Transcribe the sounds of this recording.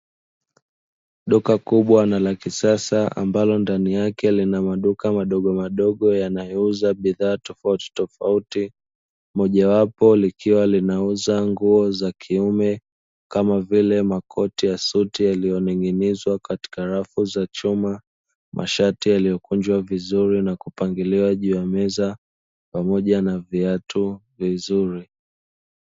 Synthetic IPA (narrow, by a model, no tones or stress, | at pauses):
ɗukakuɓwanalakisasaa̰mbalɔndanijakɛlinamaɗukamaɗɔɠɔmaɗɔɠɔjanajɔuzaɓiðaːtɔfauti̥tɔfauti | mɔʄawapɔlikʰiwalinauzaŋɡuɔzakʰiumɛ | kamavilɛmakʰɔtijasutijalijɔniŋɡinizwakati̥kaɾafuzat͡ʃuma | mʔa̰ʃatijalijɔkund͡ʒwavizuɾinakupaŋɡiliwaʄuːjamɛza | pamɔʄanaviatu | vizuɾi